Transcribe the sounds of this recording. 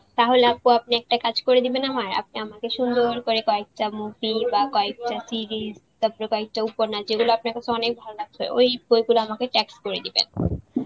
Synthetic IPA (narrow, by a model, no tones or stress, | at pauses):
t̪aɦoleapoapniɛk̚ʈakad͡ʑkoɾed̪ibenamaɾa̰p̚niamakeʃund̪oɾkoɾekɔek̚ʈamuvibakɔek̚ʈasiɾizt̪ɔpoɾekɔek̚ʈaupoɾnad͡ʑeɡuloapnaɾkat͡ɕʰeɔnek̚bʱalolaɡ̚t̪ʰɔeʔojbojɡuloamakeʈɛkskoɾed̪ibḛn